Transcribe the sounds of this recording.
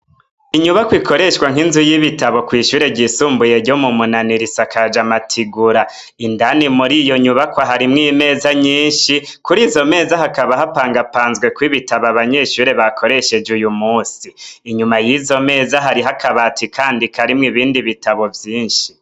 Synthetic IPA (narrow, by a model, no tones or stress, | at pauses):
iɲuβakwikʰo̞ɾe̞ʃkwaŋ̥inzujiβitaβokwiʃuːɾe̞ɟisuːmbuje̞ɾɟo̞mumunaniɾisakʰad͡ʒamatʰiɡuɾa | indanimuɾijo̞ɲuβakwaɦaɾimŋiːme̞zaɲiːnʃi | kuɾizo̞me̞ːzaɦakaβaɦapaːŋɡapaːnzɡwe̞kwiβitaβaβaɲe̞ʃuːɾe̞βakʰo̞ɾe̞ʃe̞d͡ʒujumuːsiːɲumajizo̞me̞ːzaɦaɾiɦakʰaβatʰikʰaːndikʰaɾimŋiβiːndiβitaβo̞vjiːnʃi̥